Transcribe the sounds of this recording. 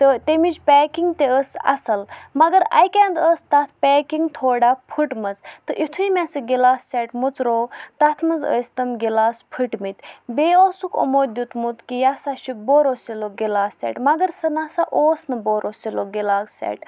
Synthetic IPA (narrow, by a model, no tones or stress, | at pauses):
t̪ɨt̪emit͡ʃpʲɛːkiŋɡt̪eəsɐ̰sɐlmɐɡɐɾa̰jkʲɛːnd̪əːst̪ɐt̪ʰpʲɛːkiŋɡt̪ʰoːɽapʰɨʈmɐzt̪ɨʔit̪ʰuimʲɛsɨɡʲelaːsːɛːʈmut͡sɾoːt̪ɐt̪ʰmɐzə̰ːsʲt̪ɐmɡelaːspʰɨʈmit̪ʲbeːoːsuko̰moːd̪ʲut̪mut̪kijasaʃiboːɾosiloɡelaːsːɛ̰ːʈmɐɡəɾsɐnasaʔoːsnɨboɾoːsiloɡelaːksɛ̰ːʈ